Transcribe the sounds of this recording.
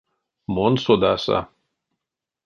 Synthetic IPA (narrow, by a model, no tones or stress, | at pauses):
monsod̪asa̰